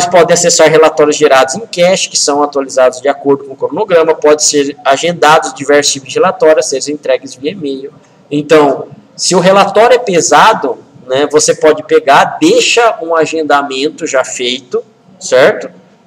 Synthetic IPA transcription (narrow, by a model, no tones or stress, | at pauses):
mɐspɔd̪ẽasesaɾɦelat̪ɔɾjʊzʒeɾad̪ʊzẽj̃kɛʃt͡ʃɪ̥kɪ̥sɐ̃w̃at̪walizad̪ʊzd͡ʒɪakoɾd̪ʊkõʊkɾonoɡɾɐ̃mɐpɔd̪ẽseɾaʒẽnd̪ad̪ʊzd͡ʒivɛɾsʊ̥t͡ʃipʊzd͡ʒɪhelat̪ɔɾjʊaseʒʊzẽnt̪ɾɛɡɪzd͡ʒɪemejʊ | ẽnt̪ɐ̃w̃sɪʊɦelat̪ɔɾjʊɛpezad̪ʊnɛvosepɔd͡ʒɪpeɡaɾd̪ejʃɐũaʒẽnd̪amẽnt̪ʊʒafejt̪ʊ | sɛɾt̪ʊ̥